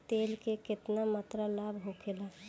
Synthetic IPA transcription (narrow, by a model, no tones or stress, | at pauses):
t̪elkekɪt̪namət̪ɾalabɦokʰelə̃